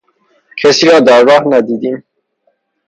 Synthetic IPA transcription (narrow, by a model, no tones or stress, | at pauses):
cʰesiːɾɒːd̪ɒːɾɡɒːhnæd̪iːd̪iːm